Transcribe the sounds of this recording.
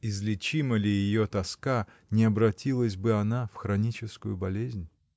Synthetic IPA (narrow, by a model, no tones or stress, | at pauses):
ɪzlʲɪt͡ɕiməlʲɪjɪjot̪ɐska | nʲɪɐbɾɐtʲilˠəsʲbɨɐnafxɾɐnʲit͡ɕɪskʊjʊbɐlʲezʲnʲ